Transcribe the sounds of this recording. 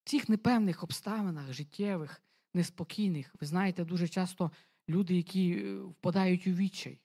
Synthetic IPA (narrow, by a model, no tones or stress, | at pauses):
t͡sʲixnepɛwnɪxɔpst̪ɑʋenɐxʒɪtʲʰːɛʋɪx | nespɔkʲijnɪxʋɪznɑjet̪ɛd̪uʒɛt͡ʃɑst̪ɔ | lʲud̪ɪjɐkʲiwpɐd̪ɑjʊtʲuʋʲit͡ʃːɐ̰j